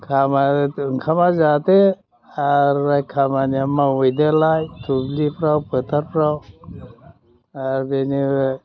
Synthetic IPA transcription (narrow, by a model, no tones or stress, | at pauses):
kʰamaɯŋkʰamazat̪e | aɾːajkʰamaniamawujd̪əlajtʰublipɾawpət̪ʰaɾpɾaw | aɾdeni